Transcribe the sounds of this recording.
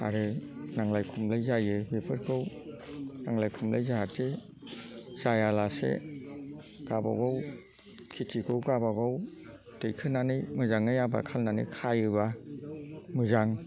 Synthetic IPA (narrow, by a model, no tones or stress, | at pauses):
a̰ɾɯnaŋlajkʰumlɯjzajɯbepʰɯɾkʰɯw | naŋlajkʰumla̰jzaɦatʰe | z̥ajalasḛ | ɡ̥aba̰ɡɔw | kʰitʰikʰɯwɡabaɡɔw | tɯjkʰɯnanɯjmɯzaŋɯjaba̰kʰalnanḭkʰajɯba | mɯzaŋ